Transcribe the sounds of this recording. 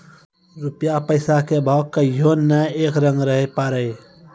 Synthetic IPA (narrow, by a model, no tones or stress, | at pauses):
ɾupjapəɪsakebʱaːkːəjonːɛeːkɾə̃ŋɡɾəɦepaːɾəj